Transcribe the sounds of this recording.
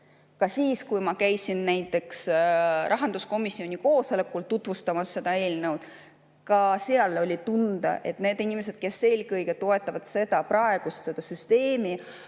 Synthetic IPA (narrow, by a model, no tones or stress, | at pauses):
kɑsiːskujmɑkæjsinnæjt̪ːˑe̞ksɾʔɑɦɑnd̪̥usko̞misːio̞nʲiko̞ːso̞le̞kːˑult̪ut̪ˑvust̪ɑmɑsːe̞d̪̥ɑe̞ːlnɤwd̪̥ | kɑseɑlo̞lʲit̪und̪̥ɑ̰ʔe̞̰t̪ne̞ːd̪inʲimes̬e̞d̪̥̚ke̞sːe̞ːlkɤjɡ̥e̞t̪o̞e̞t̪ːˑɑvɑd̪̥se̞d̪̥ɑprɑe̞ɡ̥ust̪se̞d̪̥ɑsyst̪e̞ːmi